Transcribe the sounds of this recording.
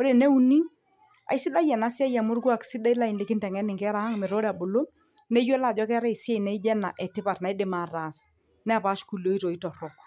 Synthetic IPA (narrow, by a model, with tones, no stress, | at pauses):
o˦de˨ne˦u˦ni˦ | a̰˨ɪ˦sɪ˦da˦jɛ˨na˨˦sja˦ja˨mʊ˦ɾɡwa˦˨ksɪ˦da˦i˦la˦ɪ˨nlɪ˦kɪ˦ntɛ˨ŋɛ˦nɪ˨ŋkɛ˦ɾa˨ha˦ŋmɪ˨ɾo˦ɾa˨bo˨lo˦m | nɛ˦jɛ˦la˦˨d͡ʒɔ˦kɛ˦ɾɛ˦i˨sjɛ˦i˨nɛ˨˦i˦d͡ʒɛ˦na̰˨ʔɛ˨tɪ˦pa˨tna˨i˦dɪ˨ma˨ɾa˨s | nɛ˦a˨pa˨˦ʃku˨lo˦i˦to˨i˦tɔ˨ɾɔ˨k̚